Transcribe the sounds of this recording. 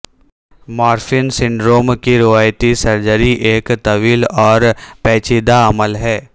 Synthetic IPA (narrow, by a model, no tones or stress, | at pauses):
maːɾfɪnsɪ̃ɳɖɾoːmkiɾɪʋaːjt̪isɐɾd͡ʒəɾiʔeːkt̪ɐʋiːlɔːɾpɛːt͡ʃid̪aɐməlɦɛː